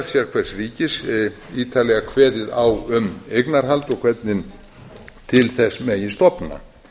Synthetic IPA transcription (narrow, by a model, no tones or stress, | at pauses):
sjɛɾ̥kʰvɛr̥sriːcɪs | iːt̪ʰalɛɣakʰvɛːðɪðawʏmejknaɾ̥ɦalt̪ɔkʰvɛt̪nɪn | t̪ʰɪlθɛsːmɛjɪst̪ɔpna̰